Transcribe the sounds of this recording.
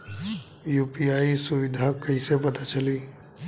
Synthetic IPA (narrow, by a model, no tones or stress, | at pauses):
juːpiaːisuʋɪd̪ʱakəisepɐt̪at͡ʃəli